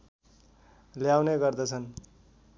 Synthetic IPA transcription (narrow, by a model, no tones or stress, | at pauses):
ljawneɡʌrd̪ʌt͡sʰʌn